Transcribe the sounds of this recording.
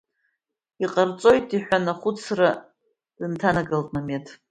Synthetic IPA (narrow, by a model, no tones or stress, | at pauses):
iqʼart͡sʼo̞jtʼiħʷᶣanaχʷʊt͡sʰra | dɨntʰanaɡaltʼmametʰ